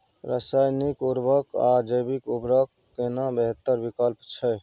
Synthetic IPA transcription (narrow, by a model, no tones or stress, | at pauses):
ɾasajnikuɾbəkad͡ʒəjbikubɾəkːenabəɦət̪ːəɾbikəlpt͡ʃʰɛ